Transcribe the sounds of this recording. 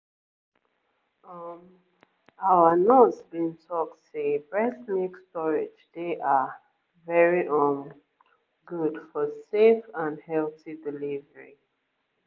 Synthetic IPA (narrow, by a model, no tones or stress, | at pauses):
ʌm | aənosbĩŋtʰɔk̚tʰubɹɛsnikstɔɹed͡ʒdeʔa | vɛɹiʔɔ̃n | ɡudfɔsefãnhɛltidilivəɹḭ